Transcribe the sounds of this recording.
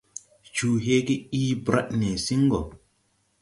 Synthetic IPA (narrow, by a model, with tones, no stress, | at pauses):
t͡ʃuː˨ɦe˦ɡe˦iː˦bɾa̰˦ʔne˨si˦ŋ˦ɡɔ˨